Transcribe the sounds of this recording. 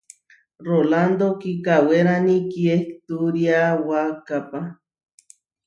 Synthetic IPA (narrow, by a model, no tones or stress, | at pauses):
roland̪okikaweɾanikiekt̪uɾiawakapa